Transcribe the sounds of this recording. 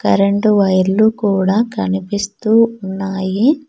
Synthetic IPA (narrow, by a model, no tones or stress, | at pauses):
kɐ̰ɾeɳʈuʋɐjɾlukuːɽaːkɐnipist̪uːunːaːji